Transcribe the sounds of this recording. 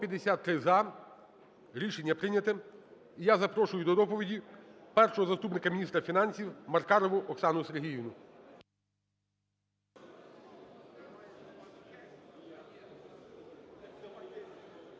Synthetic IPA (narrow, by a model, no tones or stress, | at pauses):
pʲjɐd̪esʲat̪ːɾɪzɐ | ɾʲiʃenʲːɐpɾɪnʲɐt̪ɪ | ijazɐpɾɔʃʊjʊd̪ɔd̪ɔpɔʋʲidʲipɛrʃɔɦɔzɐst̪upnɪkɐmʲnʲist̪ɾɐfʲinɑnʲsʲiwmɐrkɑɾɔʋʊʔɔksɑnʊseɾɦʲijiʋnʊ